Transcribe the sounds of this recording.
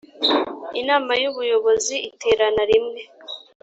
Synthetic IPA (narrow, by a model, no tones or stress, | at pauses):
inaːmajuβujo̞βo̞ziite̞ːɾanaɾimŋe̞